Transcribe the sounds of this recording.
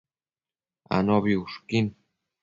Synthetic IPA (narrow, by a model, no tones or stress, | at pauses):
a̰noβiuʂkin